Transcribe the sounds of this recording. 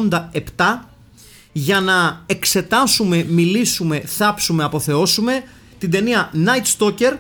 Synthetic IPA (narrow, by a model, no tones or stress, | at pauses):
nd̪ɐe̞pt̪ɐ | ʝɐnɐe̞kse̞t̪ɐsume̞milisume̞θɐpsume̞ɐpo̞θe̞o̞sume̞ | t̪ind̪e̞niɐnɐjt̪st̪o̞ce̞ɾ